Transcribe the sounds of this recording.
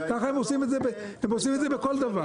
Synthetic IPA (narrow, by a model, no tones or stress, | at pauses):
kaχaemosimetzebe | emosimetd̪ze̞beko̞ld̪ava